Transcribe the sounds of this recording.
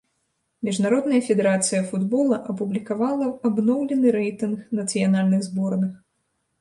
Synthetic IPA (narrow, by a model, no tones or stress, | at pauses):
mʲiʐnaɾɔd̪nɐjɐfʲɛd̪ɛɾat̪sɨjɐfud̪bɔlˠɐʔɐpublʲikavalˠɐabnɔwlʲɛnɨɾɛjt̪ɨnxnɐt̪sɨjanalʲnɨɣzbɔrnɨx